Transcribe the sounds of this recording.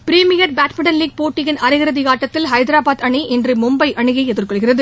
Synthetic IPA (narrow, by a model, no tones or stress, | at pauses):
pɪɾiːmɪjɐɾbaːʈmɪɽɐnliːɡ̚poːʈːɪɣɪnɐɾɪɣɪɾɐðɪɣaːʈːɐt̪ːɪlɦɐɪd̪ɾaːbaːd̪ɐɳiʔɛndrɯmʊmbɐɪʔɐɳɯɣɐɪɛðɯrkɔɭɣɪrɐðɯ